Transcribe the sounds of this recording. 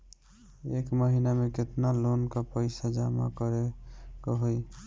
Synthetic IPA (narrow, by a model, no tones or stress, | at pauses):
ekməɦinameket̪nalonkɔpəɪsad͡ʒama̰kəɾekɔɦoj